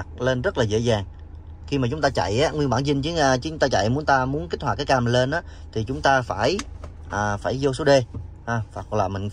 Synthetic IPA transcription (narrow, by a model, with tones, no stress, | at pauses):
k̚le˧nzə˦˥laː˨˩zḛ˧˥zaː˨˩ŋ | xi˧maː˨˩t͡ɕʊ˨˦ŋ͡mt̪aː˧t͡ɕa̰˧˨jʔaː˨˦ŋwi˧ənɓaː˧˩nzï˧ŋt͡ɕɨː˨˦˧t͡ɕɨ˧˦ʊ˦ŋ͡mt̪aː˧t͡ɕa̰˧˨jmu˨˦ənt̪aː˧mu˨˦ənki˦˥t̟̚hwaː˨˩kaː˨˦jkaː˧mï˨˩ŋle˧nʔaː˨˦t̪ʰi˨˩t͡ɕʊ˨˦ŋ͡mt̪aː˧faː˧˩j | ʔəː˨˩faː˧˩jzo˧s̬o˨˦ɗe˧ | haː˧˩faː˨˩k̚laː˨˩mï˨˩ŋ̟